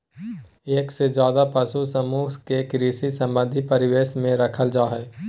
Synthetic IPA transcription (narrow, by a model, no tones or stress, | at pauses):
eːksed͡ʒjaːd̪apɐsusəmuːɦkekɾiːsisɐ̃mbə̃nd̪ʱipɐɾɪʋeːʃmẽɾəkʰəld͡ʒaːɦɛː